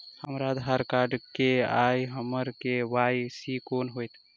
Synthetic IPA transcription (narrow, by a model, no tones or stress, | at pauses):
həmɾad̪ʱɦaɾkaɾɖkeajɦəməɾkeʋajsikonɦojt̪